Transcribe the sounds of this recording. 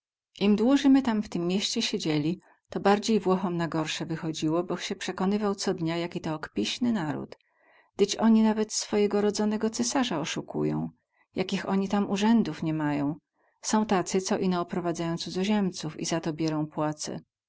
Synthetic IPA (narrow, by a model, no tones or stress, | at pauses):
ʔimd̪wuʐɘmɘt̪amft̪ɘmːʲjeɕt͡ɕɛɕed͡ʑelʲi | t̪ɔbaɾd͡ʑejvwɔxɔmnaɡɔɾʂɛvɘxɔd͡ʑiwɔbɔxɕɛpʂɛkɔnɘvawt̪sɔd̪ɲajakʲit̪ɔːkpʲiɕnɘnaɾṵt̪ | d̪̥ɘt͡ɕɔɲinavɛt̪sfɔjɛɡɔɾɔd̪zɔnɛɡɔt̪sɛsaʐaɔʂukṵjɔ̰̃w̃ | jakʲixɔɲit̪amuʐɛnd̪ufɲɛmajɔ̃w̃ | sɔ̃w̃t̪at̪sɘt̪sɔʔinɔːpɾɔvad̪zajɔ̃t̪suzɔʑɛmt̪sufḭzat̪ɔbʲjɛɾɔ̃w̃pwat̪sɛ̰